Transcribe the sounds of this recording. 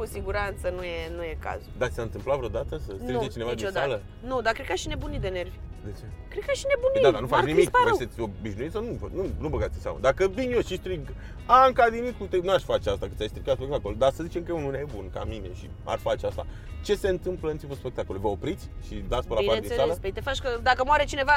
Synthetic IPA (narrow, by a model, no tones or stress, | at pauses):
kusiɡuɾant̪sənujenujeka̰zud̪at̪i̥saɨnt̪ɨmplat̪vɾeod̪at̪əsəsɾid͡ʒet͡ʃine̞vad̪it͡ʃoalə | nud̪akɾed̪̚kaʃine̞bunit̪d̪enervʲd̪et͡ʃekɾed̪kaʃinebunid̪ad̪anufat͡ʃnimikset̪sʲo̞biʃnuit̪sanuvnunubəkat̪sʲinsea̰mə̰d̪akəbinjoʃist̪ɾiɡ | aɨŋkad̪init̪̚kut̪enuaʃʲfat͡ʃeast̪akɨt̪sʲajst̪ɾikat̪spekt̪akold̪asəzit͡ʃe̞mkəjeununejebunka̰mine̞̰ʃḭ | a̰rfat͡ʃeast̪a̰ | t͡ʃe̞se̞ɨnt̪ɨmpləɨnipəspe̞kt̪ako̞lujvəo̞pɾit̪sʲʃid̪at̪sʲpəlaiaɾd̪inesaeləspeit̪efat͡ʃʲkəd̪akəmoaɾet͡ʃineva